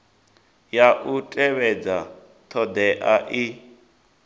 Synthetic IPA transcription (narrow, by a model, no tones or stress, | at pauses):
jaʔutʼɛβɛd͡za | t̪ʰɔd̪ɛʔaʔi